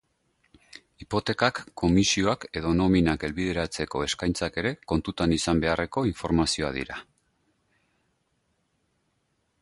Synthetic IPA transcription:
ipo̞t̪e̞kakːo̞misio̞ake̞ðo̞no̞minake̞lβið̞e̞ɾat͡se̞ko̞e̞skajnt͡sake̞ɾe̞ko̞nt̪ut̪anisambe̞are̞ko̞iɱfo̞ɾmasio̞a̰ðḭɾa̰

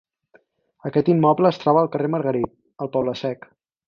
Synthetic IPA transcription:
əkɛt̪imːɔbləːst̪ɾɔβəːlˠkəreməɾɣəɾit̪̚ | əlˠpɔβləsɛk

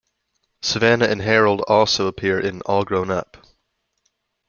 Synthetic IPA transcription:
sɨvænɨɨ̃nɦɛɹl̩ˠdɔlˠsoʊəpʰɪɹʔɪ̃nɔlˠɡɹõʊ̃nʌ̰p

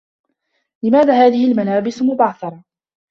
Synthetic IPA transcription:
lɪmaːðaːhaːðɪhɪlmalaːbɪsmʊbaːθɑɾˤɑ

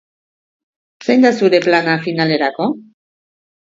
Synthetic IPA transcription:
sejnd̪asuɾe̞planafinale̞ɾako̞

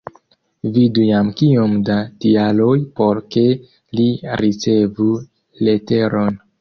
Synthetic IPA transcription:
vidujamkiomdatialo̞jpo̞ɾke̞ | liɾit͡se̞vu | le̞te̞ɾo̞n

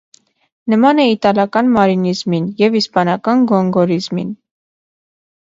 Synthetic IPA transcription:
nəmɑnɛit̪ɑlɑkɑnmɑɾinizminjɛvispɑnɑkɑnɡɔŋɡɔɾizmḭn

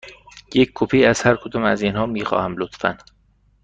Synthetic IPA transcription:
jecʰkʰːopʰiːæz̥hæɾkʰod̪ɒːmæziːnhɒːmiːxɒ̰ːhæmlot̪fæ̰n

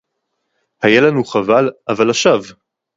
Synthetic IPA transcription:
hajalanuχavalavalaʃav

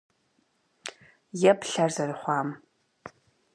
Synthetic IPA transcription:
jɛpɬarzɐrχʷɑːm

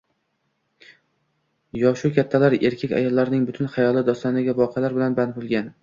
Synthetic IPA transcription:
jɒʃʊkʲʰat̪ʰːalaɾe̞ɾkʲʰekʲa̰jɒlˠːaɾnɪŋbʊt̪ʰʊnχajɒlˠɪd̪ɒst̪anɪɡʲavɒqʰɑlaɾbɪlanbanbolˠɡʲan

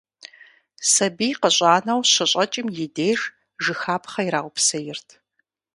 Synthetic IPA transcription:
sɐbijqəɕʷʼaːnɐwɕɐɕʼɐt͡ʃʼɪmjɪdeːr | ʒɨxaːpʰχɐiɾaːwʷʊpsɐjɪrtʰ

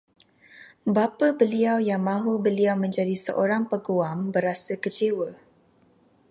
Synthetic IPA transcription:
bapabəliawjaŋmãɦubəliawmə̃ɲd͡ʒadisəʔoɾaŋpəɡuambəɾasəkət͡ʃewə

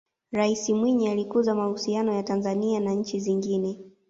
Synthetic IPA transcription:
ɾaisimwiɲialikuzamahusianɔjatanzanianaɲ̩t͡ʃiziŋɡinɛ

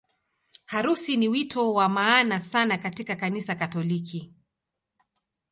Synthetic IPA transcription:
haɾusiniwitʰɔwamaːnasanakatikakanisakatɔlikʰi

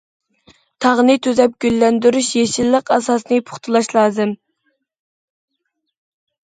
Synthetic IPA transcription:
t̪ʰɑʁnɨt̪ʰøzɛp̚ɡʲylːɛnd̪yɾyʃjeʃilːəqɛsɑsnɨpʰʊ̥χt̪ʰɨlˠɑʃlˠɑːzɨm

